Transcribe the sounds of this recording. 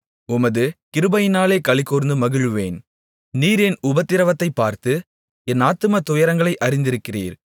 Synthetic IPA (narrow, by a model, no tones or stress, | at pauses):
ʊmɐðɯkɪɾɯbɐjɪnaːleːkɐɭɪkːoːɾnd̪ɯmɐɣɪɻɯʋeːn | niːɾɛnʊbɐt̪ːɪɾɐʋɐt̪ːɐɪpːaːɾt̪ɯ | ɛnaːt̪ːɯmɐt̪ʊjɐɾɐŋɡɐɭɐɪʔɐɾɪnd̪ɪɾɯkːɪrḭːɾ